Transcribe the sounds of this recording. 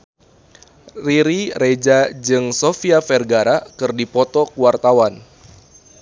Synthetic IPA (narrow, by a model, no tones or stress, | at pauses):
riɾired͡ʒad͡ʒɨŋsofiafɛrɡaɾakɨrdipɔt̪ɔkuwart̪awan